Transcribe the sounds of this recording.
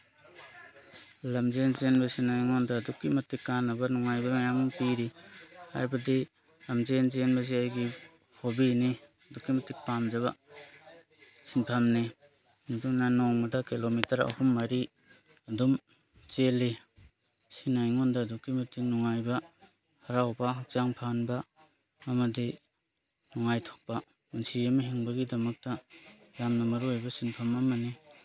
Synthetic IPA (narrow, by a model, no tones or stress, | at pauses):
lamzenzenbasinajŋɔndadukːimɐtikːanabanɔŋajbamajaŋuŋpiɾiha̰jbadi | lamzenzenbaz̬iajɡi | hobini | ɐdukːimɐtik̚pamd͡ʒaβa | sintʰamni | duŋnanɔŋmadakilomitɐɾa̰humːaɾi | ɐdum | t͡ʃeli | sinajŋɔndadukːimɐtik̚nuŋajbɐ | hɐɾawbɐɦat͡ʃaŋpʰanbɐː | mɐdi | nuŋajtʰok̚pa | unsiamɐɦiŋbɐɡidɐmɐk̚tɐjamnɐmɐɾuajbɐsinpʰamɐmɐni